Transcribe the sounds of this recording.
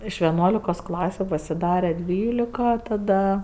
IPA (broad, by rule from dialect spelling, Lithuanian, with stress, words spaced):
ɪʃ ˈʋʲæːˈnuɔlʲɪkoːs ˈklˠɑːsʲʊ pɐsʲɪˈdɑːrʲɛ ˈdʲʋʲiːlʲɪkɐ tɐˈdɐ